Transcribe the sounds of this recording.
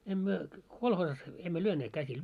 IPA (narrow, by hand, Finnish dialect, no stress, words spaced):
em myø kolhoːsɑs emːø lyøneːt kæsil